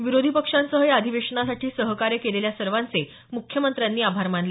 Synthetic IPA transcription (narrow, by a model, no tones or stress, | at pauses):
ʋiɾod̪ʱipəkʂansəɦəjad̪ʱiʋeʂəɳasaʈʰiːsəɦkaɾjəkeleljasəɾʋant͡se | mukʰjəmənt̪ɾjanːiːabʱaɾmanl